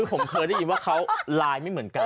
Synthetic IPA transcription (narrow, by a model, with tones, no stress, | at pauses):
ɯː˧pʰo˨˩˦mkʰɤː˧jɾa˥˩ji˧nwaː˥˩kʰa˦˥wlaː˧jma˥˩jmɯ˩˦ənka˧